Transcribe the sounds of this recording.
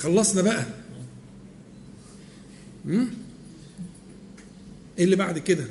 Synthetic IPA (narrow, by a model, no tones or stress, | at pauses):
xɑlːɑsˤnɑbæʔæ | m̩ | ʔelːibaʕd̪ked̪æ